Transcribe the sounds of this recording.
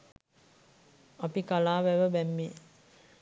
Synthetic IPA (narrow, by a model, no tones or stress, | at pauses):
apikalaːʋæʋəbæmːe